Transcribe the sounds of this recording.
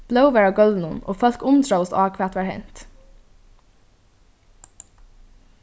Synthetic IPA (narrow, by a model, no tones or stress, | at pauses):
b̥lœwʋæːɹaɡœld̪n̩ʊnʔo̰ːfɔl̥kʊmt̪ɾoʊsaːkʰʋɛːt̪ʋæːɹhɛn̥t̪